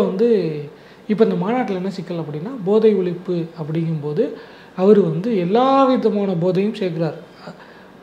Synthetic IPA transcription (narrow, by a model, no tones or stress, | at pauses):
ʋɐnd̪ɯ | ɪpːoɪnd̪ɐmaːnaːʈːɪlɛnːɐsɪkːɐlɐpːɐɽɪnːaːboːðɐɪʋɪɭɪpːɯɐpːɐɽɪŋɯmpoːðɯ | ɐʋɐɾɯʋɐnd̪ɯɛlːaːʋɪðɐmaːɳɐboːðɐjɯmseːkɪɾaːɾ